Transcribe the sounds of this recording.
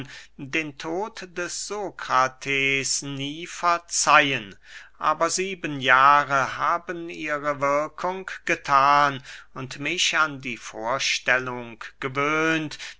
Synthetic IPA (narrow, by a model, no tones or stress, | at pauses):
ndeːntʰoːtd̥ɛsz̥oːkʁ̥atʰeːsniːfɛɐt͡sajənʔa̰ːbɐziːbənjaːʁəhaːbənʔiːʁəvɪɐkʰʊŋɡ̥ətʰaːnʊntmɪçandiːfoːɐʃtɛlʊŋɡ̥əvøːnt